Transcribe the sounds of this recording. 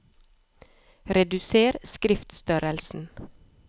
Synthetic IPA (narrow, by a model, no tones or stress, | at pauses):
ɾɛd̪ʉseːɾskɾɪft̪st̪œɾəlsn̩